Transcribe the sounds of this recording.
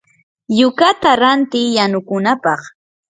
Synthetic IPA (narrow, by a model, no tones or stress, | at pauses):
jʊkat̪aɾant̪ɪjjanʊkʊnapɑχ